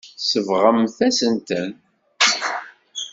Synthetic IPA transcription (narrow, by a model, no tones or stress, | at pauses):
səvʁəmθæsənt̪ən